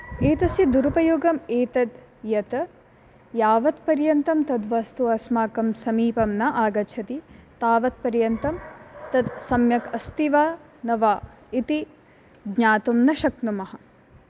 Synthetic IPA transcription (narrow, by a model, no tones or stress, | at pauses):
eːt̪ɐsid̪uɾupɐjoːɡɐmeːt̪ɐd̪ | jɐt̪ɐ | jaːʋɐt̪pɐɾjɐnt̪ɐmt̪ɐd̪ʋɐst̪uɐsmaːkɐmsɐmiːpɐmnɐʔaːɡɐt͡ʃʰɐt̪it̪aːʋɐt̪̚pɐɾjɐnt̪ɐmt̪ɐd̪sɐmjɐkɐst̪iʋaː | nɐʋaː | it̪i | ɡɲaːt̪umnɐʃɐknumɐɦɐ̆